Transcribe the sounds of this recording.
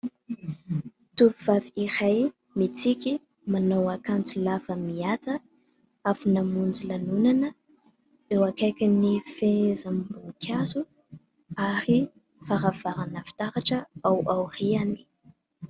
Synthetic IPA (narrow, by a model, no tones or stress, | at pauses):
t̪uviv̥aviiɾaj | mit͡sikʲi | manowakant͡silavəmiat͡sə | afunamund͡zilanunanə | ewakajkʲinifezambuŋkʰʲazu | aɾi | faɾav̥aɾanəfi̥t̪aɾaʈ͡ʂəawawriani̥